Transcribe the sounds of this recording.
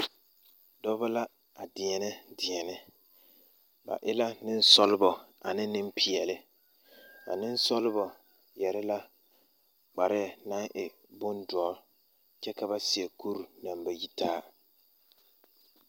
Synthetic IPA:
dɔ˦ba˦la˦ | a˨dɪ˨ɛ˨nɪ˦dɪ˨ɛ˨nɪ˦ | ba̰˨ʔɪ˦la˦nɪ˦n˦sɔ˦lɪ˦bɔ˨a̰˨nɪ˦nɪ˦mpʰɪ˨ɛ˨lɪ˦ | ba̰˨nɪ˦n˦sɔ˦lɪ˦bɔ˨ | jɛ˨ɾɪ˦la˦ | k͡pa˨ɾɪ˦˨na˦ŋʔɪ˨ | bʊ˦ndɔ˨˦ | t͡ʃɛ˦ka˦ba˦sɪ˨ɛ˨ku˦ɾu˨na˨mba˨ji˦taː˦

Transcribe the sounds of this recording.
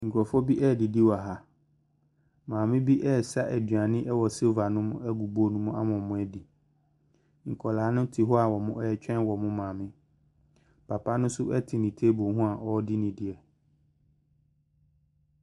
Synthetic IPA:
ŋ̩˨kʰu˨ɾɔ˨fɔ˦bi˦ʔɛ˦˨dɪ˨di˦wa˨ɦa˦ | mãː˨mɪ̃˦bi˦ʔɛ˦˨sa˦ʔɛ˨dɥa˨nɪ̃˦ʔɛ˦wɔ˨se˦va˨nʊ̃˦mʊ̃˦ɛ˦ɡu˨bo˦nũ˦mʊ̃˦ʔa˦mʊ̃˨mʊ̃˨˦ɛ˦di˨ | ŋ̩˨kʰɔ˨laː˨˦nʊ̃˦tʰɪ˨ɦɔ˦a˨wɔ˨mʊ̃˦ʔɛ˦ɛ˦t͡ɕᶣɛ̃˦nwɔ˨mʊ̃˦mãː˨mɪ̃˦ | pʰa˨pʰa˦nʊ̃˦sʊ˦ʔɛ˦tʰɪ˨nĩ˨tʰe˦bõ˨˦ɦũ˦a˨ʔɔ˦dɪ˦nɪ̃˨dɪ˨ɛ˨

